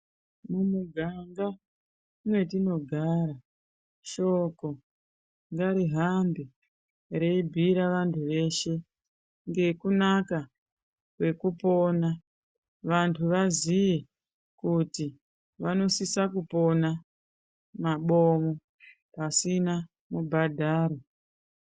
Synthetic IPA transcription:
mumuɡʱaŋɡa | mwe̞tino̞ɡʱaɾa | ʃo̞ko̞ | ŋɡaɾiɦambi | ɾe̞ibʱiɾaʋantʰuʋe̞ʃe̞ | ŋɡe̞kunaka | kwe̞kupo̞na | ʋantʰuʋazije | kuti | ʋano̞sisakupo̞na | maɓo̞mo | pasina | mubʱadʱaːɾo

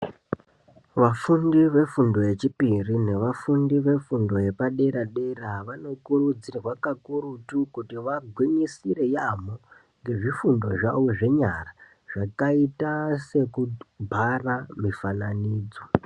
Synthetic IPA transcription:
ʋafundiʋe̞fundo̞je̞t͡ʃipirine̞ʋafundiʋe̞fundo̞je̞paɗeɾaɗeraʋano̞kurud͡zirwakakurutukutiʋaɡʱwiɲisire̞jamo | ŋɡe̞ʐifundo̞ʐawoʐe̞ɲara | ʐ̥akaitase̞kubʱaramifananiːd͡zo̞

